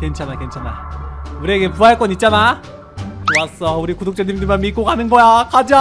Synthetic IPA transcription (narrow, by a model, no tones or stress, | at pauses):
ke̞nt͡ɕʰanake̞nt͡ɕʰanauɾeɡepuɦaɭk͈ʌnit̚t͡ɕ͈ana | kowas͈ʌuɾikudok̚t͡ɕ͈ʌɲimdɯmanmik͈okanɯnɡʌjakad͡ʑa